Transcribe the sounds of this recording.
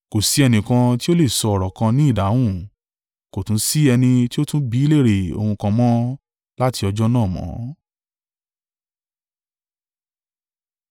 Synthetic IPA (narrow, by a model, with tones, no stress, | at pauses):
ko˨si˨˦ɛ˧nĩ˨kã˧ti˦o˦le˦˨sɔ˧ɔ˨ɾɔ˨kã˧nĩ˦i˦˨da˨˦w̃ũ˦˨ | ko˨tũ˨˦si˦ɛ˧nĩ˧ti˦o˦tũ˦bi˨˦le˦˨ɾe˨o̰˧hũ˧kã˧mɔ̃˦ | la˦ti˧ɔ˧d͡ʒɔ˦nãː˦˨mɔ̰̃˨˦